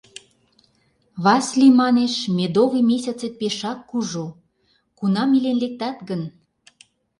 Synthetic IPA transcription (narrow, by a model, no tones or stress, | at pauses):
βɑsʲlimɑneʃmed̪oβimʲes̬ʲɑt͡set̪̚peʃɑkːuʒu | kunɑmilenlek̚t̪ɑt̪ɡən